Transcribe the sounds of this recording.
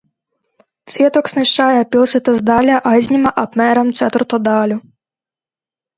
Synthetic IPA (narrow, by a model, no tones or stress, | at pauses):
t̪sʲit̪ɔksʲnɪʃt͡ʃɑjɛpʲilˠʃɪt̪ɪzd̪ɑlʲɐʔɑzʲnʲimɐʔɐpmɛɾɐmt̪sɛt̪ɪrt̪ɔd̪ɑlʲʊ